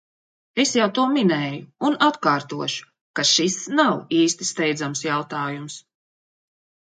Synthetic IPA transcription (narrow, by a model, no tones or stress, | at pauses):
e̞sjawt̪uɔminɛːjuːnat̪kaːɾt̪uɔʃu̥ | kaʃisnawiːst̪i̥st̪ɛjd̪zamsjawt̪aːjums